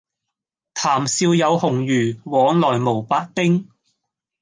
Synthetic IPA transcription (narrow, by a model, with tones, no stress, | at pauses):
t̪ʰaː˨˩msiː˧wjɐ˨˧whʊ˨˩ŋjyː˨˩wɔː˨˧˥ŋlɔː˨˩jmo˨˩wpaː˨˥k̚t̪ɪ˥ŋ